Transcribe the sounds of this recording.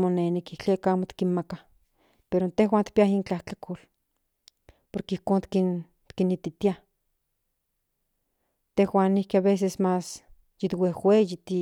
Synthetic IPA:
monenikiht͡ɬekaaːmot̪i̥kinmaka | peɾont̪ehɦwaːnt̪i̥piaɦint͡ɬaht͡ɬakʰol | poɾkeihkoːnt̪kin | t̪kinit̪it̪ia | t̪ehwaːnihkiaβes̬esmas | jit̪wehwejit̪i

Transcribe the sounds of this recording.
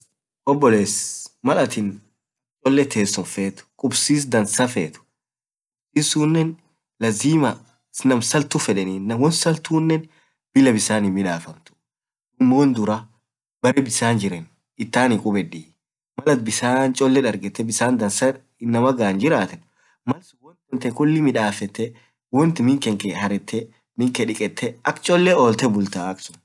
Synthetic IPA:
ʔɔbːɔleːsmɐlɐt̪ɪn | t͡ʃʼɔlːɛt̪ʰeːsːɔnfeːt̪ʊ̥kʼʊbsiːs̬d̪ɐnsɐfḛːt̪ʊ̥ | sɪsuːnːɛn | lɐziːmɐ | snɐmsɐlt̪ʊfɛᶑɛniːnːɐmwɔnsɐlt̪uːnːɛn | b̥ɪlɐbɪsaːnɪmɪᶑaːfɐmt̪ʊ̥ | ɪmːoːnd̪ʊɾɐ | bɐɾɛbɪsaːnd͡ʒɪɾɛn | ɪt̪ːaːnikʼʊbɛᶑiː | mɐlɐt̪̚bɪsaːnt͡ʃʼɔlːɛᶑɐɾɡɛt̪ːɛbɪsaːnd̪ɐnsɐɾ | ɪnːɐmɐɡaːnd͡ʒɪɾaːt̪ɛn | mɐlsʊwɔnt̪wɔnt̪ɛkʊlːɪmɪᶑaːfɛt̪ːɛ | wɔnt̪ɪmɪŋkɛŋkɛhɐɾɛt̪ʰːɛ | mɪŋkɛᶑɪkʼɛt̪ʰːɛɐkt͡ʃʼɔlːɛoːlt̪ɛbʊlt̪aːɐksʊn

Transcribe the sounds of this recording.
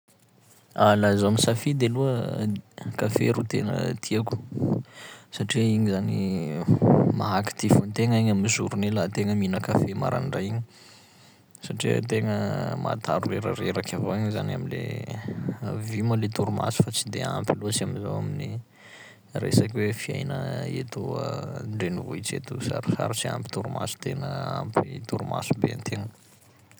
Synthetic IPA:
alazaamisafid̪eluə | kafḛɾut̪enə̰t̪ʰiaku̥ | saʈ͡ʂiiɲizani | maɦaki̥t̪ifunt̪eŋiɲamizṵɾunelat̪eŋəminəkafema̰ɾa̰nɖ͡ʐaiɲi̥ | saʈ͡ʂiə̰t̪eŋəma̰t̪aɾuleɾə̰ɾeɾakʰʲavoiɲzanaminlḛ | aviməlet̪uɾuma̰su̥fat͡sid̪ea̰mpilot͡siamizawamini | rḛsakwefia̰jnə̰ḛt̪oəɳɖ͡ʐenivuit͡sḛt̪usa̰ɾisa̰ɾit͡sia̰mpi̥t̪uɾuma̰su̥t̪eŋəa̰mpit̪uɾuma̰su̥bea̰nt̪ʰeŋə

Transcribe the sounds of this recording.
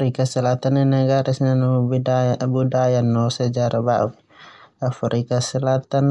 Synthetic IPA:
ɾikasəlat̪anenaɡaɾisnanu | budajanːɔsəd͡ʒaɾʔabaʔ | afɾikasəlat̪an

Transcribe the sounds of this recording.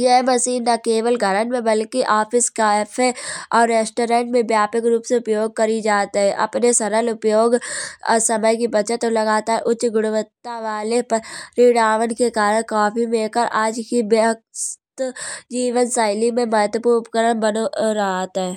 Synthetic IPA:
jeɦməsiːnːakeːʋəlɡʱəɾənmẽbəlkiʔaːpʰɪskapʰeɔːɾːeːsʈoːɾẽːɳʈmẽbjaːpəkɾuːpseʊpjoːɡ̚kəɾid͡ʒaːt̪iɦɛʔɐ̰pnesɐɾəlʊpjoːɡsəməjkibɐt͡ʃət̪olɐɡaːt̪aɦʔʊtːʃɡʊɽ̃ʊʋət̪ːaʋaːlepəɾiɽaːʋənkekaːɾəɽ̃kaːpʰimẽːkəɾʔaːd͡ʒkibeəkst̪d͡ʒiːʋənsaːɪlimẽmɐɦət̪wəpuːɾpkəɾəɽbənoɾɐɦaːt̪aɦɛː

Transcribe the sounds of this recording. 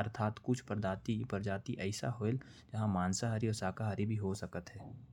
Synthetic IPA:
ɐɾt̪ʰaːt̪kʊt͡ʃʰpəɾd͡ʒaːt̪ipəɾd͡ʒaːt̪iʔɛɪsa̰ɦoːel | d͡ʒɐɦãmaːnsaɦaɾiosaːkaɦaɾibʱiɦosɐkət̪ɦɛː

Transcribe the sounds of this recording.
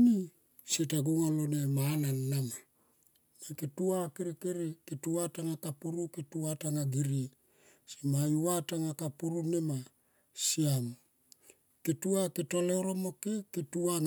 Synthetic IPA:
ni | setaɡuŋalonemananːama | maketuakeɾikeɾiketuataŋakapuɾuketuataŋaɡiɾi | simajuataŋakapuɾunema | siam | ketuaketoleoɾomokeketuaŋ

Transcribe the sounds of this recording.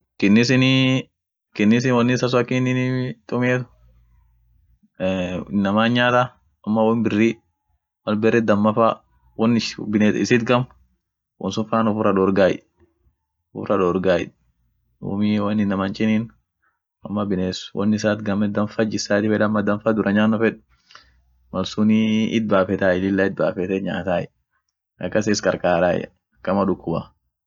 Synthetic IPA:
kɪnːɪsɪni | kɪnːɪs̬ɪnwɔnːɪsas̬ʊɐkɪnːɪnit̪ʼʊmeːt̪ʊ̥ | ɪnːɐmaːnɲɲaːt̪a | ɐmːɐwɔnbɪrːi | mɐlbɛrɛd̪ɐmːɐfa | wɔnːɪbɪnetɪ̰sɪt̪ɡɐm | wʔɔ̰nsʊfaːnɔfʊrɐᶑoːɾɡaːjɪ̰ | ɔfʊrʔɐᶑoːɾɡaːjɪ̰ᶑ | ṵːmiwɐnːɪnːɐmɐnt͡ʃʼɪniːn | ɐmːɐbɪneːswɔ̰nːɪsaːt̪ɡɐmɛd̪ɐmfad͡ʒɪsaːt̪ɪfɛᶑɐmːɐd̪ɐmfaːd̪ʊɾʔɐɲaːnːɔfɛᶑ | mɐlsuniɪt̪̚baːfɛt̪aːɪlɪlːaɪt̪̚baːfɛt̪ɛɲa̰ːt̪aːjɛ | ɐkːɐsɛskʼɐɾkʼaːɾa̰ːjɛ̰ | ɐkːɐmɐᶑʊkːʊba̰

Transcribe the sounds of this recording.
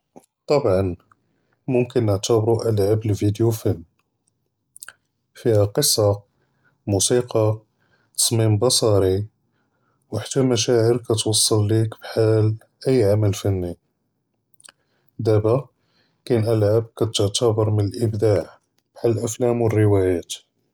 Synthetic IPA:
t̪ˤɑbʕɑn | mʊmkənːəʕt̪əbɾuʔəlʕabəlvid̪jufənː | fihæqəsˤːɑ | musiqɑ | t̪ɑ̥sˤmimbɑsˤɑɾi | wħḁt̪ːæmæʃæʕəɾkæt̪wɑsˤːɑlːikbħal | ʔəjːʕaməlfænːi | d̪æbæ | kænʔælʕab̚kæt̪əʕt̪əbəɾˤmənəlʔəbd̪aʕ | b̥ħaləlʔæflæmwərːəwæjæt̪

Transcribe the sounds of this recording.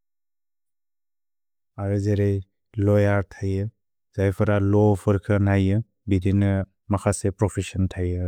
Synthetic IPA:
aɾɯzeɾej | lɔjaɾtʰajɯ | zajpʰɯɾalɔpʰɯɾkʰɯnajɯ | bidinɯ | makʰasepɾɔpʰesɔntʰajɯ

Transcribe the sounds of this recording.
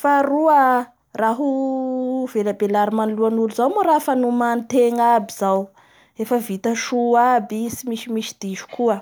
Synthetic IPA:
faɾuə | raɦu | velabelaɾimanluanuluzawmoɾafanumanit̪eŋabiz̥aw | efəvit̪əʃuabisimisimisi̥d̪̥iʃu̥kuə

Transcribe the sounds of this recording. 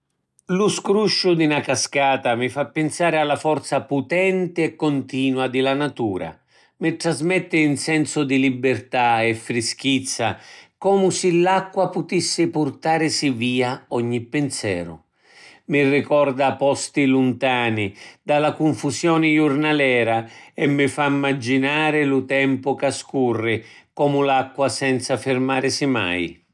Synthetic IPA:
luskɾuʃːʊd̪inakaskaːt̪amɪfapːɪnsaːɾɪalːafɔrt̪saput̪ɛnt̪ɪɛkːʊnt̪iːnwad̪ɪlanat̪uːɾa̰ | mɪʈ̪ːɾazmɛt̪ːɪːnsɛnsʊd̪ilibːɪrt̪aɛfːɾisk̟it̪sːakɔːmʊsɪlːakːwapʊt̪isːɪpʊrt̪aːɾɪsiviːaɔɲːipːɪnsɛ̰ːɾʊ̰ | mɪrɪkɔrd̪apɔst̪ilunt̪aːnɪd̪alakuɱfusjɔːnɪjʊrnalɛːɾaɛmːɪfamːad͡ʒːinaːɾɪlʊt̪ɛmpʊkaskurːɪ | kɔːmʊlakːwasɛnt̪safɪrmaːɾɪsɪma̰j

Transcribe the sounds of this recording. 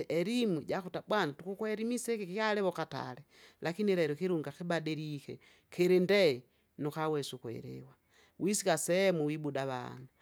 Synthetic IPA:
ʔɛɾimwiɟakutabwanatukukwɛɾimisɛkikikalɛβɔkata̰lɛ | lakiniɾɛɾɔkiɾuŋɡakibadiɾikɛ̰ | keɾendɛ | nukawɛsukwɛ̰ɾɛ̰wa | wʔisikasɛmuwibudaβa̰na

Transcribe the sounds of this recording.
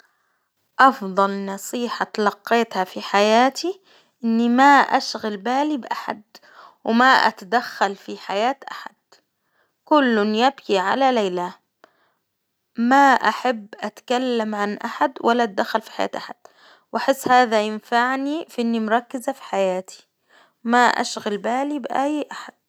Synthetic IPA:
ʔɑfðˤɑlnɑsˤiːħat̪ɑlɑqːeːt̪hafiħajaːt̪ʰi | ʔɪnːimaʔaʃɣalbaːlibʔaħa̰d̪ | wɪmaʔa̰t̪ad̪axːalfiħajaːt̪ʔaħa̰d̪̥̚ | kʊlːʊnjabkiʕa̰lalajla | maʔaħabːʔat̪kalːamʕanʔaħad̪walːaʔ̪̚d̪axːalfi̥ħaja̰ːt̪ʔaħad̪̥ | wʔaħɪsːhaːðajɪnfaʕnifiʔɪnːimʊɾˤɑkːɪzafi̥ħajaːt̪ʰi̥ | maʔa̰ʃɣalbaːlibʔajːʔaħad̪̥̚

